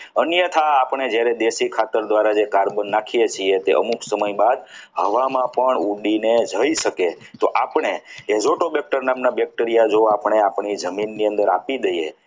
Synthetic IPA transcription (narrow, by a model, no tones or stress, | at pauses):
ənjət̪ʰaːpɳ̃ed͡ʒjaɾed̪eʃikʰat̪əɾd̪ʋaɾad͡ʒekaɾbənːakʰijet͡ʃʰiet̪ḛʔə̰muksəməjbad̪ɦəʋamãpəɳuɖined͡ʒʱəiʃəke | t̪oʔapɳ̃eezoʈobɛk̚ʈəɾnamnabɛk̚ʈəɾijad͡ʒoapəɳ̃eapɳid͡ʒəminːiənd̪əɾa̰pid̪əjḛ